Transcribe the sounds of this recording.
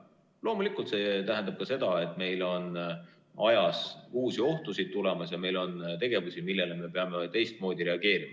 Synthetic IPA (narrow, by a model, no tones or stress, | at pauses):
lo̞ːmulikˑult̪se̞ːt̪æɦend̪̥ɑb̚kɑse̞d̪̥ɑe̞t̪ːˑme̞jlo̞n | ɑjɑsuːsio̞ht̪usid̪̚t̪ule̞mɑsjɑme̞jlo̞nt̪e̞ɡ̥e̞vusimilːe̞leme̞pe̞ɑmet̪e̞jst̪̚mo̞ːd̪iɾe̞ɑɡ̥e̞ːɾimɑ